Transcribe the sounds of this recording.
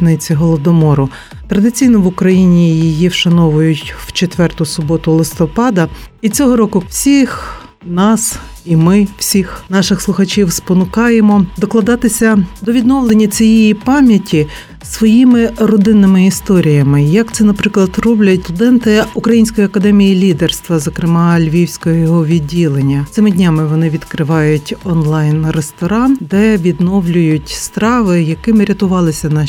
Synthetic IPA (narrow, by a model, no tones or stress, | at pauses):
nɪt͡sʲiɦɔlˠɔd̪ɔmɔɾʊ | t̪ɾɐd̪ɪt͡sʲijnɔʋʊkɾɐjinʲijijiʃɐnɔʋʊjʊtʲw̥t͡ʃet̪ʋɛrt̪ʊsʊbɔt̪ʊlˠɪst̪ɔpɑd̪ɐit͡sʲɔɦɔɾɔkʊwsʲix | nɑs | imɪw̥sʲixnɑʃɪxslˠʊxɐt͡ʃʲiwspɔnʊkɑjemɔd̪ɔklˠɐd̪ɑt̪ɪsʲɐd̪ɔʋʲid̪nɔʋlˠenʲːɐt͡sʲijɛjipɑmʲjɐtʲʰi | sʋɔjimɪɾɔd̪ɪnːɪmɪist̪ɔɾʲijɐmɪjɐkt̪sɛnɐpɾɪklˠɐd̪rɔblʲɐtʲt̪ʊd̪ɛnt̪ɪukɾɐjinʲsʲkɔjiɐkɐd̪ɛmʲijilʲid̪erst̪ʋɐzɔkɾɪmɑlʲʋʲiwsʲkɔɦɔjɔɦɔʋʲidʲːilˠenʲːɐt̪sɪmɪdʲnʲamɪʋɔnɪʋʲid̪kɾɪʋɑjʊtʲɔnlˠɑjnrest̪ɔɾɑnd̪ɛʋʲid̪nɔwlʲʊjʊtʲst̪ɾɑʋɪjɐkɪmɪɾʲɐt̪ʊʋɑlˠɪsʲɐnɐ